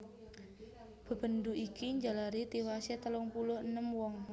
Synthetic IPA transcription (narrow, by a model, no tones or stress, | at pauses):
b̥ə̤b̥ə̤nd̪uʔikiɲd͡ʒalaɾit̪iwasɛt̪əlɔŋpulʊhənəmwɔŋ